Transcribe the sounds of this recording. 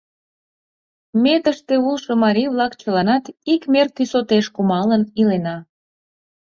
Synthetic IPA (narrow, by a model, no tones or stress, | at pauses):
met̪əʃt̪eulˠʃomɑɾʲijβlɑkt͡ɕəlɑnɑt̪ikmert̪ysot̪eʃkumɑlənilenɑ